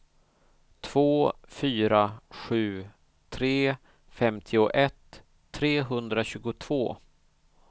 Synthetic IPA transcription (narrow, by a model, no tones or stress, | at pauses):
t̪ʰv̥oːfyːɾaɧʉ̟ː | t̪ʰɾeː | fɛmt̪ʰɪʊʔɛt̪ʰː | ɾeːɦɵnd̪ɾaɕʉ̟ːɡʊt̪ʰv̥oː